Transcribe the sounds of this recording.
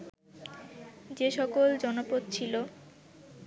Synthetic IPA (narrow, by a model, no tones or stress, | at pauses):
d͡ʑeʃɔkold͡ʑɔnopot̪t͡ɕʰilo